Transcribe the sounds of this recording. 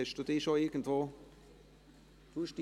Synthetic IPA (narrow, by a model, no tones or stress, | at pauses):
ɛʃd̥uːd̥ɪːʃoɪɡ̥ən̩tvoː | d̥uʃd̥i